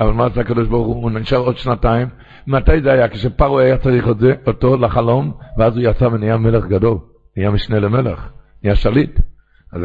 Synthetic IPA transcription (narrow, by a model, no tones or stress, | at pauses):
avalˠmasakadɔʃbaʁuχuːniʃaʁodʃnataim | matajzeajakɪʃepaʁuajat͡saʁiχotzeʔotolaχalomveazujat͡savenijamɛləχɡadol | nijamiʃneləmɛleχnijaʃalit | az